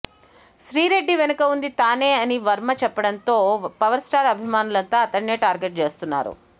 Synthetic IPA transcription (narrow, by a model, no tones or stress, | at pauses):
ʃɾiːɾe̞ɖːiʋenɐkɐund̪it̪aːneːɐniʋɐɾmɐt͡ʃɛpːɐɽɐnt̪o̞ːpɐʋɐɾsʈaːɾɐbʱimaːnulɐnt̪aːɐt̪ɐɳneːʈaːɾɡeʈ̚t͡ʃe̞ːst̪unːa̰ːɾṵ